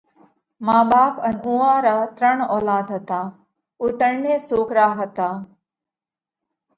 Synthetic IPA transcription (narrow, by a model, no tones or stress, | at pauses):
mãːɓaːpənũːãːɾaːt̪ɾəɳ̃ɔːlaːd̪ɦət̪aː | ʊt̪əɾneːsoːkɾaːɦət̪aː